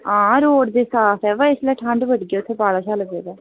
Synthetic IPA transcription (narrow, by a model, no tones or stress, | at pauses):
ãːɾoːɖd̪eːsaːt̪ʰɛːʋaɪsləːʈʰə̃ɳɖʋəɖɡeːʊt̪ʰːeːbaːɽaːt͡ʃʰaːləɡeːd̪ɛː